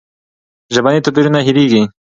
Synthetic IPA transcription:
ʒɐbanit̪upiɾunaɦiɾiɡi

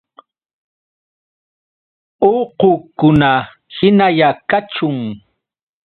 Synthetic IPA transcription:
oqʊkʊna | hɪnajakat͡ʃʊŋ

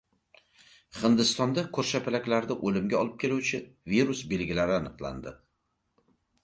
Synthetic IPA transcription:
hɪnd̪ɪst̪ɒnd̪akʰɵɾʃapʰɪlakʲlaɾd̪aʔolɪmɡʲaɒlˠɪp̚kʲʰe̞luwt͡ʃʰɪviɾusbe̞lɡʲɪlaɾɪanɨqlˠa̰nd̪ɪ

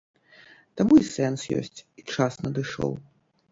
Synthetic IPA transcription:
t̪amuisɛnsjɔ̰sʲt͡sʲit͡ʂasnɐd̪ɨʂɔ̰w

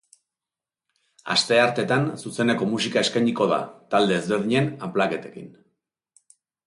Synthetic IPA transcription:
a̰st̪e̞aɾt̪e̞t̪ansuse̞ne̞ko̞musikae̞skajɲiko̞ða̰t̪ald̪e̞ːzβeɾðiɲe̞namplake̞t̪e̞kḭn

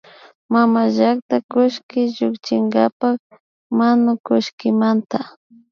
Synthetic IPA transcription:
mamaʒak̚t̪akʊʃkɪʒʊkt͡ʃɪŋɡapak | manʊkʊʃkɪmant̪a

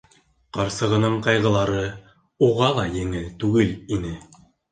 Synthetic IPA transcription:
qɑɾsɤ̆ʁɤ̆nɤɴqɑjʁɤ̆lˠɑɾɤ | uʁɑlˠɑjɘ̆ŋɘlt̪ʉɡɘlinɘ

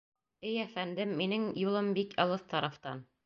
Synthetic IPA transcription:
ɘjæfænd̪ɘmːinɘŋjulˠɤmbikɑlˠɤθt̪ɑɾɑft̪ɑn

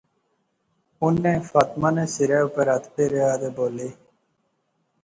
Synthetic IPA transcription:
ʊnːẽːfaːt̪maːnẽːsɪɾɛːupəɾət̪ʰpeːɾeaːd̪eːboːleː

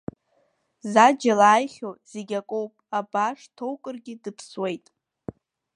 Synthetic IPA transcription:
zad͡ʒalaːjχʲoz̥eɡʲakʼowpʼabaʂtʰo̞wkʼɨrɡʲɪdɨpʰswe̞jtʼ

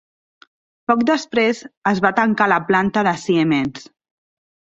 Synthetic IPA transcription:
pɔkd̪əspɾezəzβat̪əŋkaləplant̪əðəsiemens

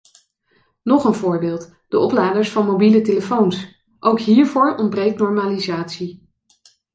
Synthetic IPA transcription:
nɔχənvʊːɹbɪːlˠt | d̥əɔplaːdəɹsfɑnmowbiləteləfowns | ʔowkɦiːɹvʊːɹɔndbrejk̚tnɔɹmaːlizaːtsi

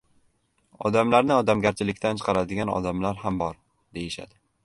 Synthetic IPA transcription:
ɒ̰d̪amlaɾnɪɒd̪amɡʲaɾt͡ʃʰɪlɪkʲt̪ʰant͡ʃʰɨ̥qʰɑɾad̪ɪɡʲanɒ̰d̪amlaɾhambɒɾ | d̪̥e̞jɪʃa̰d̪ɪ

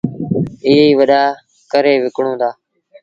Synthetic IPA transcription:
iːiːʋəɗaː | kəɾeːʋɪkɳõːd̪aː

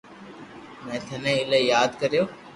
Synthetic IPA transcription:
mɛ̃ːt̪ʰənẽːɪlejaːd̪kəɾijoː

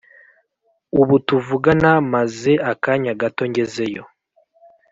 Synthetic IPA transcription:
uβutuvuɡanamaze̞akaɲaɡato̞ɲɟe̞ze̞jo̞

